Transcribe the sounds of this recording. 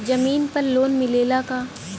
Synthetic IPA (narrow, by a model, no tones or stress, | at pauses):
d͡ʒɐmiːnpɐɾloːnmɪleːlakaː